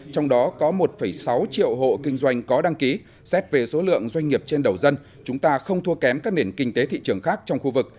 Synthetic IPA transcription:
t͡ɕɔ˧wŋ͡mɗɔ˨˦kɔ˨˦mo˨˩t̚fə˧˩jsa˨˦wt͡ɕḭ˧˨əwɦo̰˧˨kï˧ŋ̟zwa˧jŋ̟kɔ˨˦ɗa˧ŋki˨˦ | sɛ˦˥p̚ve˨˩so˨˦lɨ̰˧˨əŋzwa˧jŋ̟ŋi˨˩əp̚t͡ɕe˧nɗə˨˩wzə˧n | t͡ɕʊ˨˦ŋ͡mt̪aː˧xə˧wŋ͡mt̪ʰu˧əkɛ˨˦mkaː˦˥k̚ɗe˧˩nkï˧ŋ̟t̪e˨˦t̪ʰḭ˧˨t͡ɕɨ˨˩əŋxaː˦˥k̚t͡ɕɔ˧wŋ͡mxu˧vɨ˨˩k̚

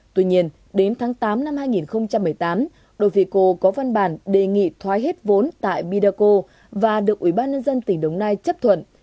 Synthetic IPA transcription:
t̪wi˧ɲi˧ən | ɗe˨˦nt̪ʰaː˨˦ŋt̪aː˨˦mna˧mhaː˧jŋi˨˩nxə˧wŋ͡mt͡ɕa˧mːɨ˨˩əjt̪aː˨˦m | ɗo˧˩jfi˧˩ko˧kɔ˨˦va˧nɓaː˧˩nɗe˨˩ŋḭ˧˨t̪ʰwaː˨˦jɦe˦˥t̚vo˨˦nt̪a̰ː˧˨jɓi˧ɗaː˧ko˧ | vaː˨˩ɗɨ˨˩ək̚wi˧˩ɓaː˧nɲə˧nzə˧nt̪ï˨˩ŋ̟ɗə˨˧˩wŋ͡mnaː˧jt͡ɕə˦˥p̚t̪ʰwə̰˧˨n

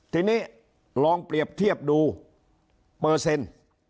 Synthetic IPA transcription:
t̪ʰiː˧niː˦˥˩ | lɔː˧ŋpɾi˨˩əp̚t̪ʰi˥˩əp̚duː˧ | pɤː˨˩se˧n

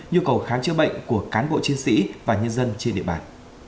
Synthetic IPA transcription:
ɲu˧kə˨˩wxaː˨˦nt͡ɕɨ˧əɓə̰˧˨jŋ̟ku˧˩əkaː˨˦nɓo̰˧˨t͡ɕi˨˦nsḭ˧˥vaː˨˩ɲə˧nzə˧nt͡ɕe˧nɗḭ˧˨ɓaː˧˨˩n

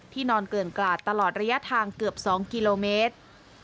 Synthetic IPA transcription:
t̪ʰiː˥˩nɔː˧nkɤː˨˩nklaː˨˩t̪ːa˧lɔː˨˩t̪̚ɾa˧ja˦˥t̪ʰaː˧ŋkɯ˨˩əp̚sɔː˩˦ŋki˧loː˧meː˦˥t̪̚

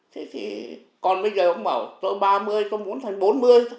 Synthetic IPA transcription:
t̪ʰe˨˦t̪ʰḭ˨˩ | kɔ˨˩nɓə˧jzəː˨˩ʔə˧wŋ͡mɓa̰ː˧˩wt̪o˧jɓaː˧mɨ˧əjt̪o˧jmu˨˦ənt̪ʰa˨˩jŋ̟ɓo˨˦nmɨ˧əj

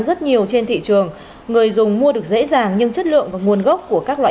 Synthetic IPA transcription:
zə˦˥t̚ɲi˨˩əwt͡ɕe˧nt̪ʰḭ˧˨t͡ɕɨ˨˩əŋː | ɨ˨˩əjzʊ˨˩ŋ͡mmu˧əɗɨ˨˩ək̚zḛ˧˥zaː˨˩ŋɲɨ˧ŋt͡ɕə˦˥t̚lɨ̰˧˨əŋvaː˨˩ŋu˨˩ənɣə˦˥p̚ku˧˩əkaː˦˥k̚la̰ː˧˨

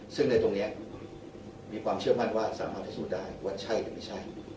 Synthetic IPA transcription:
sɯ˥˩ŋna˧jt̪o˧ŋni˦˥ɐ | miː˧kʰwaː˧mt͡ɕʰɯ˥˩ɐma˥˩nwaː˥˩sa̰ː˨˦maː˥˩t̪ʰːa˥˩suː˥˩t̚daː˥˩jwaː˥˩t͡ɕʰa˥˩jt̪ɛː˨˦ma˥˩jt͡ɕʰa˥˩j

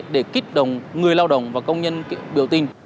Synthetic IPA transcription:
ɗe˧˩ki˦˥k̚ɗə̰˧˨wŋ͡mŋɨ˨˩əjlaː˧wɗə̰˧˨wŋ͡mvaː˨˩kə˧wŋ͡mɲə˧n˧ɓḭ˧˩əwt̪i˧n

